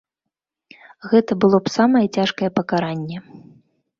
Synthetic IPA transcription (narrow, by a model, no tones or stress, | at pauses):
ɣɛt̪ɐbɨlˠɔpsamɐjɛt͡sʲaʂkɐjɛpɐkaɾanʲːɛ